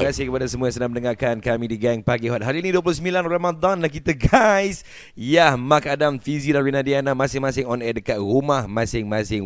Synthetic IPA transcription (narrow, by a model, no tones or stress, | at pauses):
kasehkəpadasəmuajãŋsənahməndəŋakankamĩdiɡaŋpaɡiɦɔt̪̚ɦaɾiːniduəp̬lʊsəmbilanrɛmad̪anlahkit̪aɡajs | jahmakadamfizidanɹinadianamãsɪŋmãsɪŋɔnɛdəkat̪̚rumahmãsɪŋmãsɪŋ